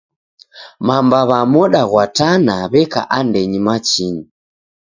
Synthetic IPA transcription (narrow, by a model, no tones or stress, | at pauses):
mambaβamɔɗaɣwatanaβɛka̰ʔandɛɲimat͡ʃiɲi